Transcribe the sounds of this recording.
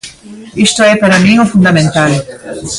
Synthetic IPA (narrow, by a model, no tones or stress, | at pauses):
ist̪ʊɛpaɾamĩŋʊfũnd̪amẽnt̪al